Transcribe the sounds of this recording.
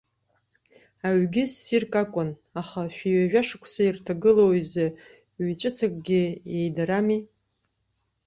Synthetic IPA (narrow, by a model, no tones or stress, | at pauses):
aɥɡʲɪsːirkʼakʷʼʊnaχaʃᶣiɥaʒᶣaʂakʷʰsairtʰaɡɨlowize | ɥit͡ʃʷʼɨt͡sʰakʼɡʲɪejdaɾami